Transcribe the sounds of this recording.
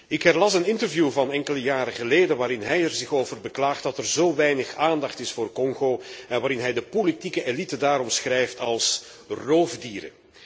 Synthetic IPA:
ɪkɦɛrlɑsənɪntərvjuːvɑnɛŋkələjaːɾəɣəleːdənʋaːɾɪnɦɛjɛrzɪxoːvərbəklaːχt̚dɑtɛrzoːwʋɛjnəxaːndɑχtɪsfoːrkɔŋɣoːɛnʋaːɾɪnɦɛjdəpolitikəelitədaːɾɔmsxrɛjftɑlˠs | roːvdiːɾə̰

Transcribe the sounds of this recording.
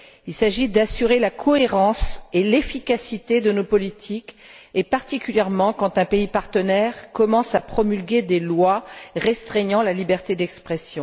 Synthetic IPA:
ilsaʒid̪asyʁelakʰɔeʁɑ̃selefikasit̪ed̪ənopɔlit̪ʰikepaʁt̪ikʲyljɛʁmɑ̃kɑ̃t̪ɛ̃peipaʁt̪ənɛʁkɔmɑ̃sapχɔmylɡʲed̪elwaʁɛst̪χɛɲɑ̃lalibɛʁt̪ed̪ɛkspχesjɔ̃

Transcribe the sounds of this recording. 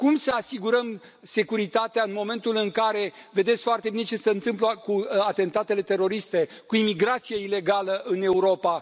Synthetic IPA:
kumsəasiɡuɾəm | se̞kuɾit̪at̪eaɨnmo̞mẽ̞nt̪ulɨŋkaɾe̞ve̞d̪etsʲkfoart̪e̞bine̞t͡ʃe̞səɨnt̪ɨmplokuat̪e̞nt̪at̪e̞le̞t̪e̞ɾo̞ɾist̪e̞kuimiɡɾat̪sije̞ile̞ɡaləʔɨne̞uɾo̞pa

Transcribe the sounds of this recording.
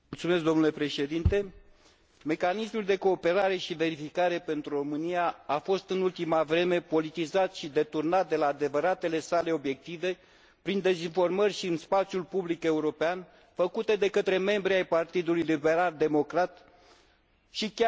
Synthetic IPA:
mult̪sumeskd̪o̞mnule̞pɾe̞ʃe̞d̪int̪e̞ | me̞kanismuld̪e̞ko̞ːpe̞ɾaɾe̞ʃive̞ɾifikaɾe̞pe̞nt̪ɾuro̞mɨnijaafo̞st̪ɨnult̪imavɾe̞me̞po̞lit̪izat̪ʃid̪e̞t̪urnat̪̚d̪e̞laːd̪e̞vəɾat̪e̞le̞sale̞o̞bje̞k̚t̪ive̞ | pɾind̪e̞zinfo̞rmərʲʃiɨnspat̪sijulpublike̞uɾo̞pean | fəkut̪e̞d̪e̞kət̪ɾe̞me̞mbɾiajpart̪id̪ulujlibe̞ɾald̪e̞mo̞kɾat̪ | ʃikʲa

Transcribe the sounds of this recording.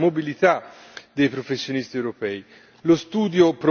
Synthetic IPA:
mobilit̪a | d̪ejpɾofesːjonist̪iewɾopɛːi | lost̪uːd̪jopɾ

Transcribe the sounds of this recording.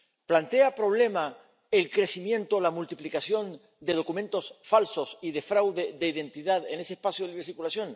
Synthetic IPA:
plant̪e̞apɾo̞β̞le̞ma | elkɾe̞simjẽ̞nt̪olamult̪iplikasjo̞n | d̪e̞ð̞o̞kumẽ̞nt̪o̞sfalso̞siðefɾawðe̞ðeiðe̞nt̪iðaðene̞seːspasjoðiβeɾsiɾkulasjo̞n

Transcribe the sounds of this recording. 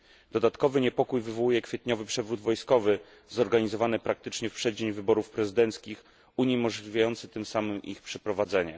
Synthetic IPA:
d̪̥ɔd̪at̪kɔvɘɲɛpɔkujvɘvɔwujɛkfʲjɛt̪ɲɔvɘpʂɛvɾud̪vɔjskɔvɘ | zɔɾɡaɲizɔvanɘpɾak̚t̪ɘt͡ʂɲɛfpʂɛd͡ʑeɲvɘbɔɾufpɾɛzɘd̪ɛnt̪skʲix | uɲimɔʐlʲivʲjajɔnt̪sɘt̪ɘmsamɘmḭxpʂɛpɾɔvad̪zɛɲɛ̰

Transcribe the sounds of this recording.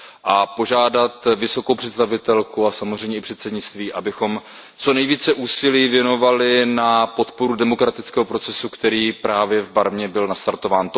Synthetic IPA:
ʔapo̞ʒaːdat̪vɪso̞ko̞wpr̝̥ɛt̪st̪avɪt̪ɛlkuasamozr̝ɛjɲɛɪpr̝̥ɛt̪sɛdɲɪt͡st̪viːʔabɪxo̞m | t͡so̞nɛjviːt͡sɛʔuːsɪliːvjɛno̞valɪnapo̞t̪po̞ɾudɛmo̞kɾat̪ɪt͡skɛːɦopɾo̞t͡sɛsukt̪ɛɾiːpɾaːvjɛvbaɾvɲɛbɪlnast̪aɾt̪o̞vaːnt̪

